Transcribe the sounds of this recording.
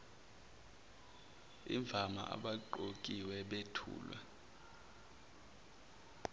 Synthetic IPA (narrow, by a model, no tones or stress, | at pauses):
iɱb̪vʱama̰ʔa̰ɓaǃokʼiwɛɓetʰṵːlwɛ̰